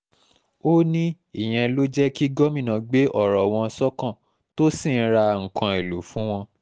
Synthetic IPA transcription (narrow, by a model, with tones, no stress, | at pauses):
o˦nĩ˦ | i˦˨j̃ɛ̃˧lo˦d͡ʒɛ˦ki˦ɡɔ˦mĩ˦˨nã˧ɡ͡be˦ʔɔ˦˨ɾɔ˨w̃ɔ̃˧sɔ˦kã˦˨ | to˦si˦˨˦ɾa˧ŋ̩˨kã˨e˨lo˨˦fũ˦w̃ɔ̃˧